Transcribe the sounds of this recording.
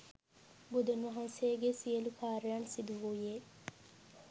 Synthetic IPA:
bud̪unʋɐɦãnseɡesijelukʰaːɾejansid̪uɦujeː

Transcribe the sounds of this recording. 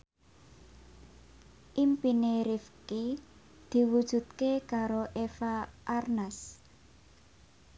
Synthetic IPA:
ʔimpineɾifki | d̪̥i̤wud̥ʒ̥ṳt̪̚kekaɾoʔefaʔarnas

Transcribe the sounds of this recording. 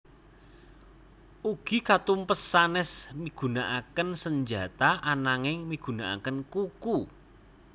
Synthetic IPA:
uɡ̥i̤kat̪umpəsːanɛsmiɡ̥ṳnaʔakənsəɲd͡ʒa̤t̪aʔanaŋɪŋmiɡ̥ṳnaa̰kənkuku

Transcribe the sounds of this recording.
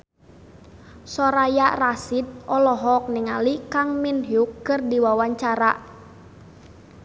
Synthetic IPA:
sɔɾajarasit̪̚ʔɔlɔɦɔk̚nɪŋalikaŋminɦukːɨrdiwawaɲt͡ʃaɾa

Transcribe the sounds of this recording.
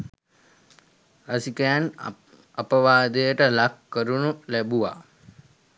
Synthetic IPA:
rasikəjan | apəʋaːd̪əjəʈəlakːəɾunulæbuʋa̰

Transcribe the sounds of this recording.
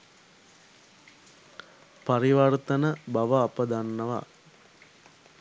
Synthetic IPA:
paɾiʋɐrt̪ənəbaʋəːpəd̪anːəʋa̰

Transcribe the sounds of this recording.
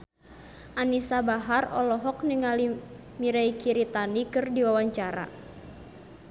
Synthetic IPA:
ʔanisabaɦarɔlɔɦɔkniŋali | miɾaikiɾit̪anikɨrdiwawaɲt͡ʃaɾa̰

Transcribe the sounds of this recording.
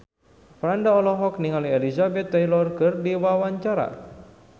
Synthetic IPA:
pɾandaɔlɔɦɔkniŋalielizabɛt̪ːajlɔrkɨrdiwawaɲt͡ʃaɾa̰

